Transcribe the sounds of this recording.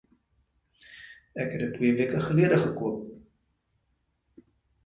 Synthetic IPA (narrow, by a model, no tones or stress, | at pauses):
ɛkɦɛdətːwiːviəkəχəliədəχəkuəp̚